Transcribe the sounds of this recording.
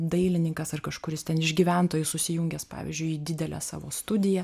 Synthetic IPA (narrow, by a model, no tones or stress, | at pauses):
d̪ɐɪlʲɪnʲɪŋkɐsɐrkɐʃkʊɾʲɪst̪ʲɛnɪʒʲɡʲiːʋʲænt̪oːjʊsʊsʲɪjʊŋʲɡʲɛspɑ̰ːʋʲɪ̰zʲd͡ʒʲʊɪid̪ʲɪd̪ʲɛlʲæ̰ːsɑ̰ːʋo̰ːst̪ʊd̪ʲɪjɛ